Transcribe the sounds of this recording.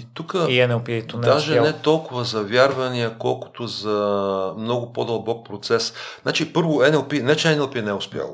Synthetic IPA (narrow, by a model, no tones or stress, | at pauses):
it̪ukəiɛnɛlˠpit̪ond̪aʒɛnɛt̪ɔlˠkʊvɐzɐvʲjaɾvɐnijəkɔlˠkʊ̥t̪ozɐmnɔɡʊpod̪ɐlˠbɔk̚pɾot̪sɛsnat͡ʃipɤɾvʊɛnɛlˠpinɛt͡ʃɛɛnɛlˠpinɛɛʊspʲja̰lˠo